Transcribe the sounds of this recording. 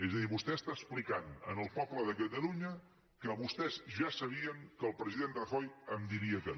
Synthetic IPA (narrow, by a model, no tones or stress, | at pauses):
ezəðiβust̪ɛst̪aəsplikanənəlˠpɔbləðəkət̪əluɲə | kəβust̪ɛzʒasəβiəŋkəlˠpɾəziðend̪rəxojəmd̪iɾiəkə